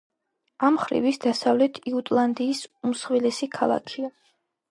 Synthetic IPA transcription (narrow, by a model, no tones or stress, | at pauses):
amχɾḭvisd̪asavlɛt̪ʰiut̪ʼlˠand̪iːsumsχwilɛsikʰalˠa̰kʰia